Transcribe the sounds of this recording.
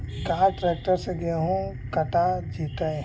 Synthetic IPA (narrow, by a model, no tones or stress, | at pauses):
kaːʈɾeːk̚ʈəɾseɡeɦũ | kɐʈad͡ʒiːt̪ae